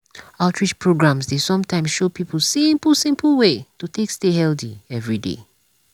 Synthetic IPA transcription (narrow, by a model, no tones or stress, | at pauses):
aʊtʰɹit͡ʃpʰɹoɡɹãmsdesɔ̃mtʰãɪ̃msʃopipl̩sɪ̃mpl̩sɪ̃mpʰl̩ˠwetuθẽkstehɛldḭɛvɹidḛ